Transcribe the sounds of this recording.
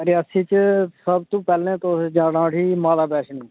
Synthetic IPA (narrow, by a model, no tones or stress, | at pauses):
ɾɪəːsiːt͡ʃsəb̚t̪ũːpɛːlẽːt̪oːsd͡ʒãːɽãːʈiːmaːlaːbɛːʃniː